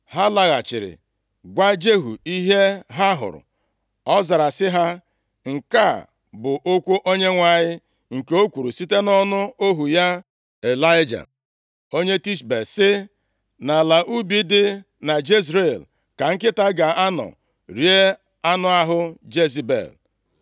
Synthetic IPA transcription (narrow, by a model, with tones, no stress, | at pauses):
ha˦la˨ɣa̰˨t͡ʃɪ˨ɾɪ̰˨ | ɡʷa˦d͡ʒe˦ɦṵ˨i˦ɦe˦ɦa˦ɦʊ̰˨ɾʊ̰˨ | ɔ˦za˨ɾa˨sɪ˦ɦa˦ | ŋ̩˨ka˦˨ | bʊ˨ʔo˦kʷu˦ʔo˦ɲe˦ŋʷa˨ɲɪ˦ | ŋ̩˨ke˨o˦kʷu˨ɾu˨si˦te˦nɔ˦nʊ˦o˦ɦu˨ja˦ | e˨la˦ɪ˦d͡ʒa̰˨ | o˦ɲe˦ti˦ʃbe˨sɪ˦ | na˨la˨ʔu˦bi˦dɪ˦ | na˨d͡ʒi˦s̬ɾe˨l | ka˨ŋ̩˦kɪ˦ta˦ɡa˨a˦nɔ̰˨ | ɾi˨˦e˦ | a˦nʊ˦a˦ɦʊ˦d͡ʒe˦zi˨bḛ˨l